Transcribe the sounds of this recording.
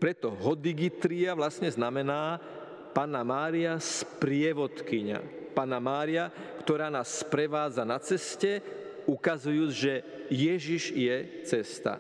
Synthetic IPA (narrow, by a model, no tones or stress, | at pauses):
pɾɛt̪ɔɦɔd̪iɡit̪ɾiaʋlasɲɛznamɛnaː | paːnamaːɾiaspɾɪɛʋɔt̪kiɲa̰paːnamaːɾiakt̪ɔɾaːnaːsːpɾɛʋaːd͡zanat͡sɛscɛ | ukazujuːd͡zʒɛ | jɛʒiʒjɛ | t͡sɛst̪a̰